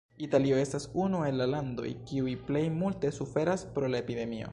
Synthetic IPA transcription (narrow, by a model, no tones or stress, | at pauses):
italioe̞stasunue̞nlalando̞̰jkiujple̞jmulte̞sufe̞ɾaspɾo̞laepide̞mio̞̰